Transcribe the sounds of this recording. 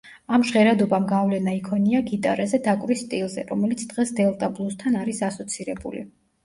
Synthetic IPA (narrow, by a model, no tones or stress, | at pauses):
amʒʁɛɾad̪ɔbamɡavlɛnaikʰɔniaɡit̪ʼaɾazɛd̪akʼwɾist̪ʼilˠzɛ̰ɾɔmɛlit̪sʰd̪ʁɛsd̪ɛlˠt̪ʼablˠust̪ʰanaɾisasɔt̪sʰiɾɛbṵlḭ